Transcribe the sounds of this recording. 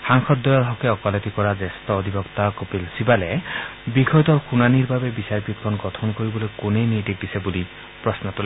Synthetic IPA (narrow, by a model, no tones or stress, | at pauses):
saŋxʰɔt̪̚d̪ɔjɔɾɦɔkeɔkɔlet̪ikɔɾad͡ʒest̪ɔːd̪ʱibɔkt̪akopilsibalebixɔjɔt̪ɔɾxunaniɾbʱabebisaɾpit̪̚kʰɔnɡɔt̪ʰɔnɔkoɾibɔlojkunejnit̪ik̚d̪isebuli | pɾɔsnɔt̪ule